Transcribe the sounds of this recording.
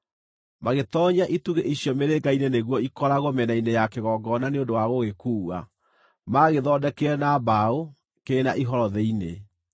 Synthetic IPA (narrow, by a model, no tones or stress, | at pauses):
maɣetɔɲaʔituɣeʔiɕjɔmeɾeɡaineneɣwɔikɔɾaɣwɔmɛnainejakeɣɔɡɔnaneondowaɣoɣekuːwa̰ | maɣeðɔdɛkeɛnabao | keːnaʔiɦɔɾɔðeine